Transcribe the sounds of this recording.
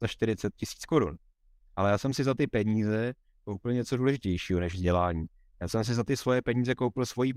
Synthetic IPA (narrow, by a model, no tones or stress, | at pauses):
aʃt̪ɪɾɪt͡sɛt̪̚cɪsi̥t͡sko̞ɾṵn | ʔalɛjaːsɛmsɪzat̪ɪpɛɲiːzɛ | kowpɪlɲɛt͡so̞duːlɛʒɪcɛjʃiːɦonɛʒvzɟɛlaːɲiː | jaːsɛms̬ɪzat̪ɪsvo̞jɛpɛɲiːzɛkowpɪlsvo̞jiː